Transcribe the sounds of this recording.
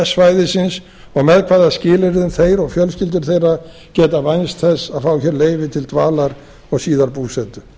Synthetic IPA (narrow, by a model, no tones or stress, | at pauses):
ɛsvaːjðɪsɪns | ɔɣmɛðkʰvaːðascɪːlɪɾðɪʏnθejɾɔɣfjœlscɪlt̪̬ʏɾ̥θejra | cɛːt̪avajnst̪θɛsːaðfaːwçɛːɾleːjvɪt̪ʰɪlt̪vaːlaɾ | ɔɣsiːðaɾpuːsɛːt̪ʏ